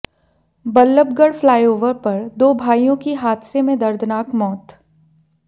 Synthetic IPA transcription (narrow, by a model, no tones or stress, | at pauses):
bɐlːəb̚ɡəɽflaːjoːʋəɾpɐɾd̪oːbʱaːijõkiɦaːd̪semẽd̪ɐɾd̪ʱnaːkmɔːt̪